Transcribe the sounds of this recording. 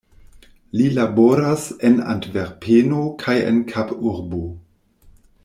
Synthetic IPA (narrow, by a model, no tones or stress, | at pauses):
lilaboɾasena̰ntveɾpʰenokʰajḛnkʰapuɾbo